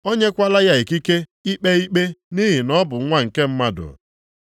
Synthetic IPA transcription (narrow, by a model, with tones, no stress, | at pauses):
o˦ɲe˦kʷa˦la˦ja˦e˨ki˦ke˦i˦k͡pe˦i˦k͡pe˦ni˦ɦi˨nɔ˦bʊ˨˦ŋʷa˦ŋ̩˨ke˦m̩˦ma˦dʊ̰˨